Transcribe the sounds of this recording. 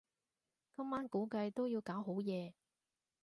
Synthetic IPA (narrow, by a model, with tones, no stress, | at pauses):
kɐ˥mːaː˥nkuː˨˥kɐ˧jt̪o˥wjiː˧wkaː˨˥wɦo˨˥wjɛː˨˧